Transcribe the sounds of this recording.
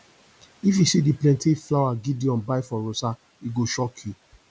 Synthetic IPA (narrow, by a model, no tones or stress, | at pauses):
ifisidiplɛ̃ntʰeflawaɡidiɔ̃nbajfɔɾosa | iɡoʃɔkʰu